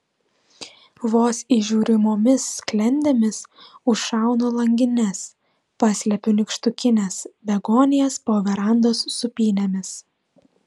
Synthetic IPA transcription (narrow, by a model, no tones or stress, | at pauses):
ʋoːsiʒʲuːɾʲɪmoːmʲɪsːklʲɛnʲd̪ʲemʲɪsʊʃʃɑˑʊnoːlˠɐŋʲɡʲɪnʲɛs | pɑːsʲlʲɛpʲʊnʲɪkʃt̪ʊkʲɪnʲesbʲɛɡoːnʲɪjɛspoːʋʲɛɾɑˑnd̪oːsːʊpʲiːnʲɛmʲɪs